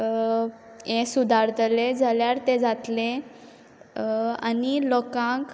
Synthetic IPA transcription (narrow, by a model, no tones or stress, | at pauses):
ẽsud̪ʱaɾt̪ʰəled͡zaljaɾt̪ẽd͡zat̪le | a̰nilɔkãk